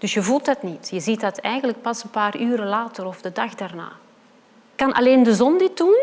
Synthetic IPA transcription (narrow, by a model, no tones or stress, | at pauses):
d̥ɵsjəvulˠtɦɑtnitjəzitdɑtɛjɣənlək̚pɑsənpaːryːɾəlaːtəɾɔvdədɑxdaːrna̰ː | kɑnʔɑ̰leːndəzɔndɪt̚dun